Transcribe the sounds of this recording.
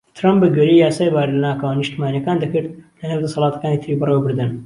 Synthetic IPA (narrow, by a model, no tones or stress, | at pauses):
t̪ʰɾampbɨɡɛɾiːjaːsaːjbaːɾlɐnaːkɐwanːɨʃt̪imaːnjɐkaːnd̪ɐkɨɾd̪lɐneːwd̪ɐsɑlˠɑːt̪ɐ̥kaːniːt̪ʰɾiːbɨrewɐbɨɾd̪ɨn